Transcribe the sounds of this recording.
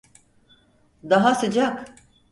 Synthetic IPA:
d̪aɦasɯd͡ʒak

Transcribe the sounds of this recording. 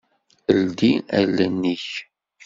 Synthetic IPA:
əld̪iælːənːiç

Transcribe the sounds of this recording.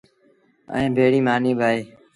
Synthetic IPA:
ə̰ẽːbʱeːɽiːmaːniːbʱaːeː

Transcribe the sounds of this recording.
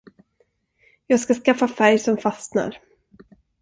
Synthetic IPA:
jɑːɡskaskafːafæɾjsɔmfasna̰ɾ

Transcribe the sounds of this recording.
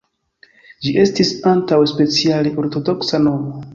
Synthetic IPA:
d͡ʒiʔe̞stisantawspe̞t͡sialeʔo̞ɾto̞do̞ksano̞mo

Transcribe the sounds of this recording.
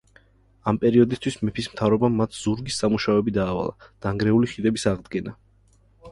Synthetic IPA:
ampʼɛɾiɔd̪ist̪ʰwismɛpʰismt̪ʰavɾɔbamːat̪ʰz̥uɾɡisːamuʃavɛbid̪aːva̰lˠa̰d̪̥aŋɡɾɛuliχid̪ɛbisaʁd̪ɡɛna

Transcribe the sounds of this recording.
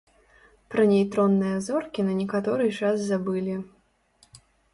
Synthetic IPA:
pɾɐnʲɛjt̪ɾɔnːɨjɐzɔrkʲinɐnʲɛkat̪ɔɾɨt͡ʂazzabɨlʲi

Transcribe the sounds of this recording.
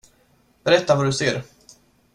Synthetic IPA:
b̥ɛɾɛt̪ːavaɖɵseːɾ

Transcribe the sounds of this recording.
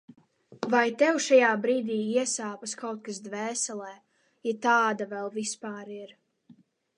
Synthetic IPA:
vajt̪ɛwʃajaːbɾiːd̪iːiɛsaːpaskawt̪̚kasd̪vɛːsɛlˠɛː | jɛt̪aːd̪avɛlˠvispaːɾiɾ

